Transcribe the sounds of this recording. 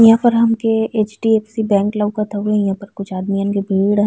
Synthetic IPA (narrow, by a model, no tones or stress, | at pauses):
jãpəɾɦɐmkeeːt͡ʃʈieːpsibɛ̃ːŋklɐʋkat̪ʰɐwẽjãpɐɾkʊt͡ʃʰaːd̪mijankibʱiːɽ̃